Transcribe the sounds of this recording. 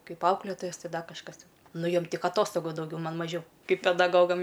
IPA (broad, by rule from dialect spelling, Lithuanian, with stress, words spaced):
ˈkɐɪp ˈɐʊklʲeːtoːjɛs ˈtʲɪ ˈdɐ kɐʃˈkɐs ˈtʲɪn ˈnʊ ˈjoːm ˈtʲɪk ɐˈtoːstoːɡʊ dɐʊˈɡʲɛʊ ˈmɐn mɐˈʒʲɛʊ ˈkɐɪp pʲɛdɐˈɡoːɡɐm